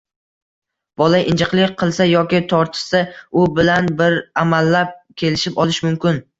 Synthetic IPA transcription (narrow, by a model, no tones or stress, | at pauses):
b̥ɒlaʔɪnd͡ʒʰɪqlˠɪk̚ʲqʰɨlˠsajɒkʲɪt̪ʰɒɾt̪ʰɪ̥ʃsaʊbɪlanbɪɾamalːap̚kʲʰe̞lɪʃɪpɒlˠɪʃmʊmkʲɪn